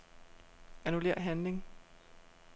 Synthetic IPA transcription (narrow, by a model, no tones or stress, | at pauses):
ænule̝̰ːɐ̰ɦænle̝ŋ